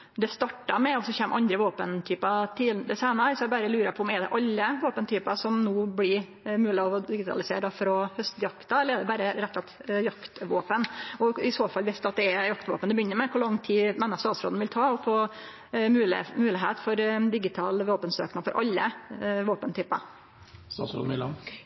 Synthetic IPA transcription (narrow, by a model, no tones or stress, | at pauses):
d̪ɛst̪ɑʈːɑmɛɔsɔçɛːmʔɑnd̪ɾəʋoːpənt̪ʰyːpɑt̪ʰiːd̪ɛsæɪnɑʋɪsjæbɑɾəlʉːɾəpʰɔɔmɛd̪ɛ̰ʔɑlːəʋoːpənt̪ʰyːpɑsɔmnuːblɪɾ | mʉːlɪɔd̪ɪɡɪt̪ʰɑ̰lɪsḛːɖɑfɾɔhœst̪jɑkt̪ɑɛlːəɾɛd̪ɛbɑːɾəɾɛt̪ːɑt̪jɑkt̪ʋoːpənɔɪsoːfɑlʋɪst̪ɑt̪̚d̪ɛɛjɑkt̪ʋo̰ːpənd̪ɛbəjʏnːəɾmɛkʰʊlɑŋːt̪ʰiːmɛnːɑst̪ɑːt̪sɾo̰ːd̪n̩ʋɪlt̪ʰɑːɔfʰɔ | mʉːmʉːlɪɦeːt̪fɔɾd̪ɪɡɪt̪ʰɑ̰ːlʋoːpənsø̰ːknɑfɔɾʔɑ̰lːəʋoːpənt̪ʰyːpɑ̰ | st̪ɑ̰t̪sɾo̰ːd̪̩ɪlɑ̰n